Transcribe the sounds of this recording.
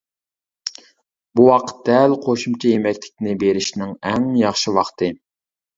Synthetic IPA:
buwɑqʰə̥t̪̚d̪ɛlqʰoʃumt͡ʃʰɑjemɛkʲlɪkʲnɪbeɾɪʃnɪŋɛŋjɑχʃiwɑχt̪ʰɨ

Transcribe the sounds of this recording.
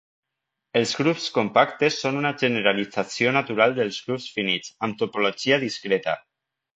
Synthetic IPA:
elˠzɣɾupskompak̚t̪esːonunaʒeneɾalid͡zasionat̪uɾalˠd̪əlˠzɣɾupsfinit͡samt̪upoloʒiaðiskɾɛt̪a̰

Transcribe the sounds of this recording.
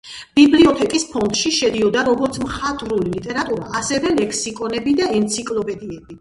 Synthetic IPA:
b̥ibliɔt̪ʰɛkʼispʰɔnd̪ʃiʃɛd̪iɔd̪aɾɔɡɔɾt̪sʰmχat̪ʼɾulilit̪ʼɛɾat̪ʼuɾa̰asɛvɛlɛkʰsikʼɔnɛbid̪aɛnt̪sʰikʼlˠɔpʼɛd̪iɛbi

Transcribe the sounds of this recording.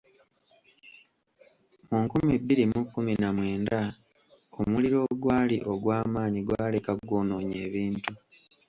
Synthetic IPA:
muŋkumibːilimukːuminamwe̞ːnda | omuliɾo̞ːɡwaːliʔo̞ɡwaːmaːɲiɡwaːlekaɡonoːɲe̞ːβiːntu

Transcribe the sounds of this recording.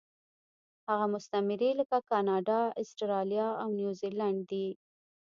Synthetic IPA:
haɣamʊst̪amɪɾiləkakɑnɑɖɑɪsʈɾɑljɑawnjuzilaɳɖ̚d̪i

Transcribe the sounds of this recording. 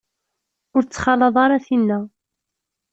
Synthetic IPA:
ʊɾt͡sːχɑlːɑðˤɑɾˤɑθinːæ

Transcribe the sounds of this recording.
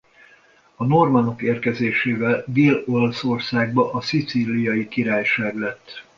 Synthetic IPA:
ɒno̞rmɐno̞keːrkɛzeːʃeːvɛld̪eːlo̞lso̞rsaːɡ̚bɒʔɒsit̪siːlijɒjikiɾaːjʃaːɡlɛt̪ː

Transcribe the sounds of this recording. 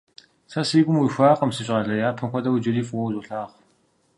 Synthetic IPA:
sɐsiːɡʷʼʊmwiɕʷaːqɐmsiɕʼʁɐɮɐjaːpʰɨnxʷɔdɐwd͡ʒɐriːfʼʊwɐwzuɬaːχ

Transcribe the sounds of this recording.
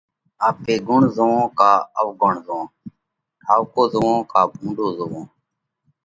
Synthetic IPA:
aːpeːɡʊɳzoʋõːkaːəʋɡʊɳ̤zõː | ʈʰaːʋkoːzəʋõːkaːbũːɳɖoːzəʋõː

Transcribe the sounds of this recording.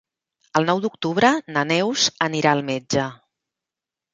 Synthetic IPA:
əlˠnɔwd̪uk̚t̪uβ̞ɾənənɛwzəniɾaəlˠmed͡ʒə

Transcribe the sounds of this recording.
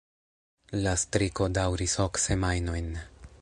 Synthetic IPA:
lastɾiko̞dawɾiso̞kse̞majno̞jn

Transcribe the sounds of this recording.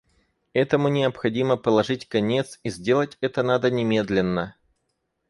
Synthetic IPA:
ɛt̪əmʊnʲɪəpxɐdʲiməpəlˠɐʐɨtʲkɐnʲe̞t̪sizʲdʲe̞lˠətʲɛt̪ənad̪ənʲɪmʲe̞d̪lʲɪnːə

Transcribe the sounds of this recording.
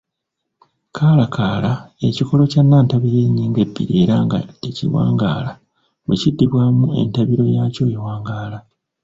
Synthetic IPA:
kʰaːlakʰaːlae̞ciko̞lo̞canːaːntaβiɾe̞ɲːiːŋɡe̞bːḭɾie̞ːɾaŋɡa̰ecḭwa̰ːŋɡa̰ːla | βwecidːiβwaːmue̞̰ntaβiɾo̞jaːco̞ːjewaːŋɡaːla

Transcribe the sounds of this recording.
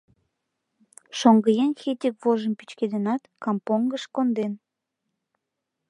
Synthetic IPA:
ʃoŋɡəjenxet̪ʲikvoʒəmpit͡ɕked̪enɑt̪kɑmpoŋɡəʃkond̪en

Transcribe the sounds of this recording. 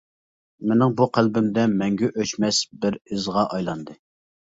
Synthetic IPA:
menɪŋbuqʰælbɪmd̪ɛmɛŋɡʲɛʔøt͡ʃmɛsbɪɾɪzʁɑʔɑjlˠɑnd̪ɨ

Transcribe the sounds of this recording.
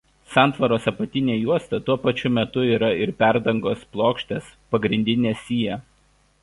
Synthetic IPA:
sɑˑnt̪ʋɐɾoːsɐpɐt̪ʲɪnʲeːjuɔst̪ɐt̪uɔpɐt͡ʃʲʊmʲɛt̪ʊiːɾɐɪɾpʲæˑɾd̪ɐŋɡoːsplˠoːkʃʲt̪ʲespɐɡɾʲɪnʲd̪ʲɪnʲeːsʲiːjɛ

